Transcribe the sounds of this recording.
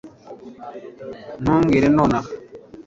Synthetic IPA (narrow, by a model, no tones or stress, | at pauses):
nɔ̃ŋɡeɾenɔna